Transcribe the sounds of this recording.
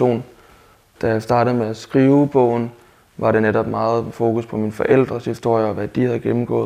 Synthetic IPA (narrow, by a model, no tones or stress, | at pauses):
o̝̰ːn | d̥æjɑ̈ɪsd̥ɑ̈ːɾ̥ð̩ˠmeæsɡ̥ʁiːʊb̥ɔ̰̽ʊ̰n̩ | ʋɑ̈ɾe̝neɾɒ̽b̥mɑ̈ːð̩ˠfo̝ːkʰuspʰɒ̽minfɒ̽ʔel̰d̥ʁɐshisd̥o̝ɐ̰jəɒ̽ʋæd̥ihæðˠɡ̥emm̩ɡ̥ɔ̰̽ːðˠ